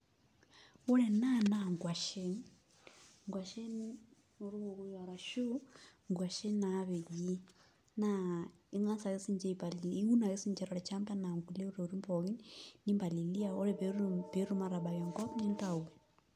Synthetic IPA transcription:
u˦ɾɛ˨na˦na˨ŋɡwa˨ʃɛ˦n | ŋɡwa˨ʃɛ˦ni˦ | u˨ɾi˦βɔ˨ku˨ja˨ɾa˨ʃu˦ŋɡwa˨ʃɛ˦na˨˦βɛ˨ʄi˦ | na | i˦ŋa˦nsa˨ɣɛ˦si˦ɲd͡ʒɛ˦i˨pa˨li˨i˦u˦na˨ɣɛ˦si˦nd͡ʒɛ˦ɾɔ˨ɾɛ˨t͡ʃa˦mbɛ˦na˨ŋɡu˨lɛ˦u˦ɾɛ˨u˨ɾi˦mbɔɣi˦nni˦mba˨li˨li˦a˨ɔ˦ɾɛβɾb̥ɛ˦ɾu˦maɾa˨ɓa˨jɔ˨ŋɡɔ˦pɲɛ˦nta˨u˨wɛ˨

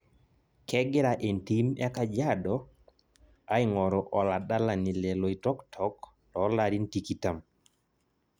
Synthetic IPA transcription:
kɛ˦ɡɪ˦ɾa˨ʔe˨nti˦mɛ˦ka˦d͡ʒa˦dɔ˨ | a˦ɪ˦ŋɔ˨ɾɔ˨ʔɔ˨la˨da˦la˨ni˨le˨lo˨i˨tɔ˦ktʰɔ˦k | lɔ˨˦la˦ɾi˦nti˨ki˦ta˨m

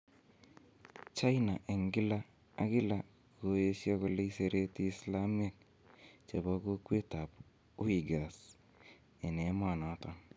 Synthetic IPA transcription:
t͡ʃa˦jna˨ʔe˨ŋɡɪ˦la˦ | a̰˦kɪ˦la˨ | ko˦e˦sjɔ˦kɔ˦le˦i˦se˨ɾe˦tiː˦sla˦me˦k̚ | t͡ʃe˨bɔ˦ko˦kwe˦ta˨p | ʊ˦i˨ɡa˨s | e˨ne˨˦ma˨na˨tɔ˦

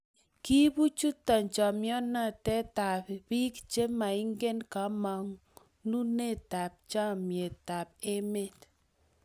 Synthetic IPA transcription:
ki˦bu˦t͡ʃu˦tɔ˨ɲt͡ʃɔ˨mjɔ˦na˦tɛ˦ta˨ppi˦kt͡ʃe˦ma˨i˦ŋɡe˦nka˨˦mɔ˨ŋ | nu˦ne˦˨ta˨p̚t͡ʃa˦mje˨ta˨p̚e˦me˦t

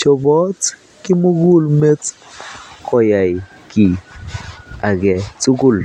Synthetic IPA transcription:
t͡ʃɔ˨bɔ˦t | kɪ˦mu˦ɡu˦lme˦t | kɔ˨ja˨j | ki˨ | a˨ɡɛ˨t͡su˦ɡʊ˦˨l

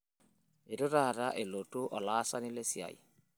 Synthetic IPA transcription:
e˨ɾo˦ɾa˨ɾa˦ʔe˨lo˨to˦ʔɔ˨laː˦sa˦ni˦le˦sja̰˨ḭ˨

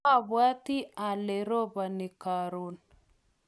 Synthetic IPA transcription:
a˨βwa˦t̪i˦a˨lɛ˨ɾo˦βa˨ni˨ka˨ɾo˨n

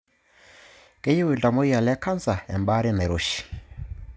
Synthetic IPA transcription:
ke˦je˦we˨lda˨mo˦ja˨lɛ˦ka˦nza˨ɛ̰˨mba˦ɾi˦na˨ɾo˨ʃi̥˨

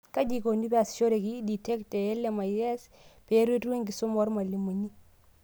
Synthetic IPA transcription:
ka˦d͡ʒi˨ko˨ni˦pa˨sʃo˦ɾe˨kidi˨tɛ˦ktɛɛ˦lɛma˨ɛ˦s | pe˦ɾe˦tu˦e˦ŋɡi˨sʊ˦mɔ˦ɾma˨li˨mu˨ɲi˦

